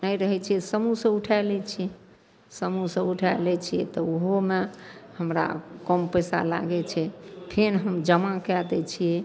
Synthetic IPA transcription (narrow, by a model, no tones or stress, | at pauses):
nəjɾəɦɛt͡ʃʰiɛsəmusə̃uʈʰalɛt͡ʃʰiɛ | səmusə̃buʈʰajlɛt͡ʃʰijɛ̰t̪ɔoɦomehəmɾa̰kɔmpəjsa̰la̰ɡɛt͡ʃʰɛpʰenɦəmd͡ʒəmakɛd̪ɛt͡ʃʰijɛ